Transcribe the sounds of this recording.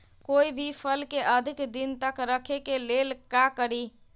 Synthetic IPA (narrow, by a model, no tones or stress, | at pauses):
koibʱipʰəlkeʔəd̪ʱikd̪int̪əkɾəkʰekelelkakəɾi